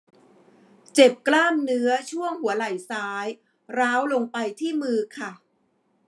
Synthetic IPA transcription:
t͡ɕe˨˩p̚klaː˥˩mnɯ˦˥ɐt͡ɕʰu˥˩əŋhu˩˦ɐla˨˩jsaː˦˥j | ɾaː˦˥wlo˧ŋpa˧jt̪ʰiː˥˩mɯː˧kʰa˥˩

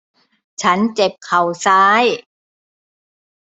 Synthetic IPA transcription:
t͡ɕʰa˦˥nt͡ɕe˨˩p̚kʰa˨˩wsaː˦˥j

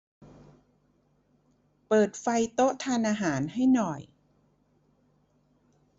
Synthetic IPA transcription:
pɤː˨˩t̪̚fa˧jt̪o˦˥ʔt̪ʰaː˧nʔaː˧ɦaː˩˦nha˥˩jnɔ˨˩j

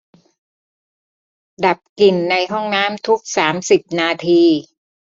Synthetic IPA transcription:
da˨˩p̚ki˨˩nːa˧jɦɔ˥˩ŋnaː˦˥mt̪ʰu˦˥k̚saː˩˦msi˨˩p̚naː˧t̪ʰiː˧

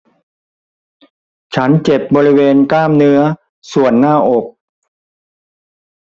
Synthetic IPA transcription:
t͡ɕʰa˦˥nt͡ɕe˨˩p̚bɔː˧ɾi˦˥weː˧nklaː˥˩mnɯ˦˥ɐ | su˨˩ənːaː˥˩ʔo˨˩k̚

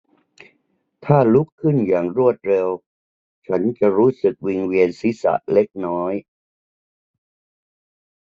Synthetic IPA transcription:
t̪ʰaː˥˩lu˦˥kʰːɯ˥˩njaː˨˩ŋɾu˥˩ət̪̚ɾe˧w | t͡ɕʰa˦˥nt͡ɕa˨˩ɾuː˦˥sɯ˨˩k̚wi˧ŋwi˧ənsi˦˥sa̰˨˩ʔle˦˥k̚nɔː˦˥j

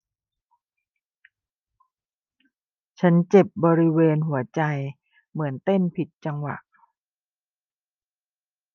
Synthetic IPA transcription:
t͡ɕʰa˦˥nt͡ɕe˨˩p̚bɔː˧ɾi˦˥weː˧nɦu˩˦ɐt͡ɕa˧j | mɯ˩˦ənt̪e˥˩npʰi˨˩t̪̚t͡ɕa˧ŋwa̰˨˩ʔ

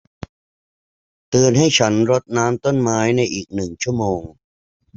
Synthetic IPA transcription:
t̪ɯː˧nɦa˥˩jt͡ɕʰa˦˥nɾo˦˥t̪̚naː˦˥mt̪o˥˩nmaː˦˥jna˧jʔiː˨˩k̚nɯ˨˩ŋt͡ɕʰu˥˩əmoː˧ŋ

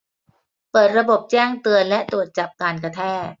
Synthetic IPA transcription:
pɤː˨˩t̪̚ɾa˧bo˨˩p̚t͡ɕɛː˥˩ŋt̪ɯ˧ənlɛ˦˥ʔt̪ɾu˨˩ət̪̚t͡ɕa˨˩p̚kaː˧nka˧t̪ʰɛː˥˩t̪̚

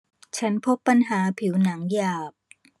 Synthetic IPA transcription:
t͡ɕʰa˦˥npʰo˦˥pːa˧nɦaː˩˦pʰi˩˦wna˩˦ŋjaː˨˩p̚

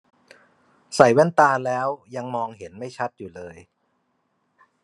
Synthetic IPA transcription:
sa˨˩jwa˥˨nt̪aː˧lɛː˦˥wja˧ŋmɔː˧ŋhe˩˦nma˥˩jt͡ɕʰa˦˥t̪̚juː˨˩lɤː˧j

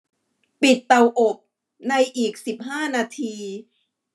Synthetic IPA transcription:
pi˨˩t̪ːa˧wʔo˨˩p̚ | na˧jʔiː˨˩k̚si˨˩p̚ɦaː˥˩naː˧t̪ʰiː˧

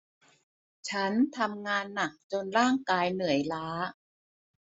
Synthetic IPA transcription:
t͡ɕʰa˦˥nt̪ʰa˧mŋaː˧nːa˨˩k̚t͡ɕo˧nɾaː˥˩ŋkaː˧jnɯ˨˩˦əjlaː˦˥

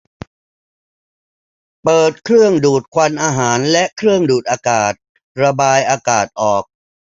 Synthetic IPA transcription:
pɤː˨˩t̪̚kʰɾɯ˥˩əŋduː˨˩t̪̚kʰwa˧nʔaː˧ɦaː˩˦nlɛ˦˥ʔkʰɾɯ˥˩əŋduː˨˩t̪̚ʔaː˧kaː˨˩t̪̚ | ɾa˧baː˧jʔaː˧kaː˨˩t̪̚ʔɔː˨˩k̚

